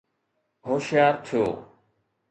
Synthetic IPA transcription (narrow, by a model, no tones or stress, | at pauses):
ɦoːʃɪjaːɾt̪ʰijo̰ː